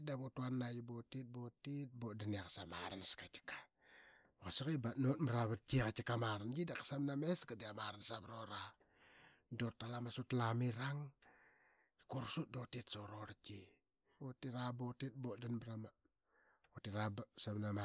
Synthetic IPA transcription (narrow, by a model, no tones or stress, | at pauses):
daβotuanːajubotit̚botit̚bodaniakasama̰ɾanskat͡ʃi̥kḁ | okasakibanotmaɾaβat͡ʃikat͡ʃikamaɾand͡ʒidakḁsamnameskadiamaɾansabɾoɾa | dotːalamasutlamiɾaŋ | koɾsut̚dotitsoɾoɾt͡ʃi | otiɾabotit̚bodanbɾama | otiɾabsamnama